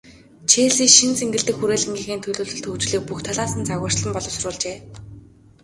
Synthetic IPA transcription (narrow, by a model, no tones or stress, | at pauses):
t͡ɕʰeːɮiːʃinseŋɡʲɘ̆ɮt̪ɘ̆kxuɾeːɮɘ̆ŋɡiːɣeːnt̪ʰɵɮoːɮɵ̆ɮt̪ʰɵwt͡ɕɮiːk̚puxt̪ʰaɮaːsə̆nt͡sʰaɣʊːr̥t͡ɕɮə̆mpɔɮɞ̆wsʊrʊːɮt͡ɕeː